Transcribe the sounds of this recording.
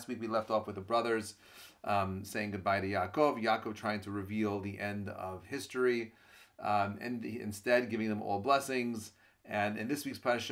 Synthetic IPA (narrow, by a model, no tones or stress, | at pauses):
st̚wikwilɛftɔfwɨðəbɹʌðə˞z̥ | seɪɪ̃ŋɡʊd̚baɪɾɨjɑkoʊvjɑkoʊv̥̚tʰɹ̥aɪɪ̃ŋtʰɨɹɨvilˠðiʔɛ̃ndʌ̰v̥hɪstɹ̥i | ɨ̰̃nɪ̰̃nstɛd̚ɡɪvɪ̃ŋðɨ̃mɔ̰lˠblɛsɪ̃ŋz | ɨ̃nɨ̰̃nðɪswikspʰʌnɨʃ